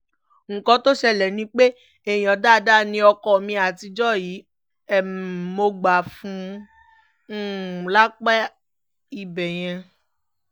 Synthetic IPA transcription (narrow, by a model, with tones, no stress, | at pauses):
ŋ̩˨kɔ̃˧to˦ʃɛ˧lɛ˨nĩ˧˦k͡pe˦ | e˨jĩ˨ɔ̃˨da˦˨da˦˨nĩ˧ɔ˧kɔ˨mĩ˧a˨ti˧d͡ʒɔ˦˨jiː˨˦ | ɛ˨mo˧ɡ͡ba˨fũ˨˦˨ | la˦k͡pɛ˦ | i˨bɛ˨j̃ɛ̃˧